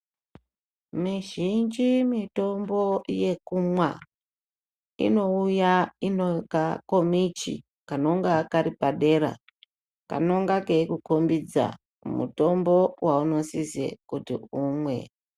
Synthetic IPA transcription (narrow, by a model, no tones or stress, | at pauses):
miʒind͡ʒimito̞mbo̞je̞kumwa | ḭno̞ujainokakomit͡ʃḭ | kano̞ŋɡakaɾipaɗe̞ɾa̰ | ka̰no̞ŋɡakeikukombid͡za̰ | mṵto̞mbo̞wʔauno̞sizḛkutḭumwe̞̰